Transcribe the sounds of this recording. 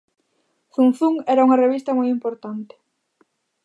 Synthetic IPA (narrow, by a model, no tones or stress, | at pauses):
θun̟θuŋɛɾɐuŋɐreβ̞ist̪ɐmojimpoɾt̪ant̪ɪ̥